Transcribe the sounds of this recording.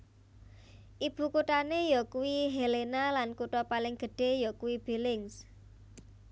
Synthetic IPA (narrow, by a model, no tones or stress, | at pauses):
ʔib̥ṳkuʈanejɔkuwiɦelenalankuʈɔpalɪŋɡ̥ə̤ɖ̥e̤jɔkuwib̥e̤lɪŋs